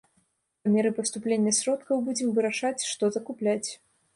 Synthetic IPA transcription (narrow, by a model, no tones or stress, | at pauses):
ɐmʲeɾɨpɐst̪uplʲenʲːɐsʲɾɔt̪kɐwbud͡zʲɛmvɨɾɐʂat͡sʲʂt̪ɔzɐkuplʲat͡sʲ